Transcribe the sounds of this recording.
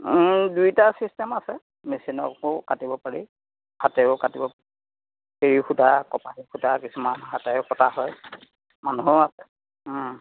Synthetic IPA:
dujtasistɛmasɛ | mesinɔ̰kʊkatibɔpaɹi | hatɛʊkatibɔpai | kiɹixudʱakɔpanixʰudakisumanɦatɛʊkɔtʰaɦɔj | manuɦɔasɛ̥

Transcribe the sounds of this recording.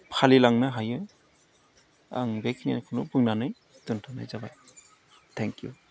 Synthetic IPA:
pʰalilaŋnɯɦajɯ | a̰ŋbekʰnia̰nkʰɯnubɯŋnanɯj | duntʰanɯ̰jzabaj | tʰɛŋkju

